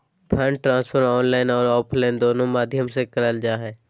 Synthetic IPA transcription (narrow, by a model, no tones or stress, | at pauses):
pʰə̃ːɳɖʈɾãːspʰəɾɔːnlaːɪnɔːɾɔːpʰlaːɪnd̪oːnõmaːd̪ʱjəmsekəɾəld͡ʒaːɦɛː